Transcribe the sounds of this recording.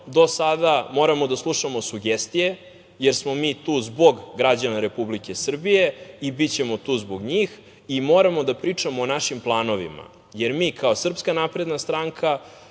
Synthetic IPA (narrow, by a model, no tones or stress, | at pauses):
d̪o̞sad̪amo̞ɾamo̞d̪aslˠuʃamo̞suɡest̪ije̞ | jeɾsmo̞miːt̪uːzbo̞ɡɡɾad͡ʑanaɾe̞publike̞sr̩bije̞ibit͡ɕe̞mo̞t̪uːzboɡɲiːx | imoɾamo̞d̪apɾiːt͡ʂamoːnaʃimplˠaːno̞ʋḭma̰ | jeɾmiːkʰaosr̩pskanapɾe̞d̪nast̪ɾaŋkʰa